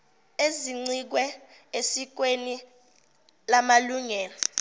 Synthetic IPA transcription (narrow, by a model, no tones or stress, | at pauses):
eziŋ͡ǀik̬wɛesik̬weni | lamaluŋɛːlɔ